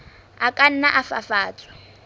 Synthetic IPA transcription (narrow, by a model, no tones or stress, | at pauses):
akʼan̩naʔafa̰faːt͡sʼwɛ̥